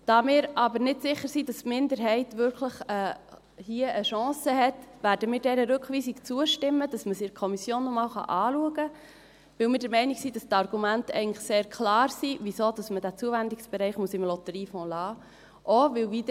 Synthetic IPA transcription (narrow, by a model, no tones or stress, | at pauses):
d̥ɑːmɪːɾɑbəɾnɪtsɪχːəɾsidɑstmɪndəɾɦɛɪtʋʏɾkʰləχɛ | hiəʔəʃɑ̃ːsəɦɛtʋæːɾdəmɪːɾdɛɾəɾɵkχʋiːsikt͡suəʃtɪmːəd̥ɑsməsikʰɔmisjoːnːɔmɑːlχɑ̰ʔɑːluəɡə | ʋɪwmɪːɾd̥ɛɾmɛɪniksid̥ɑst̪ɑrɡ̥umæntɛ̰ɪɡənləχseːɾkʰlɑːɾsivisod̥ɑsmədæt͡suəvændɪksb̥ɛɾɛɪχmuəsɪmlɔt̪əɾiːfɔ̃ːlɑː | ʔoʋɪwvidə